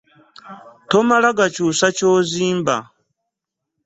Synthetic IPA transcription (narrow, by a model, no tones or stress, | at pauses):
tɔmalaɡat͡ʃusat͡ʃoːziːmba̰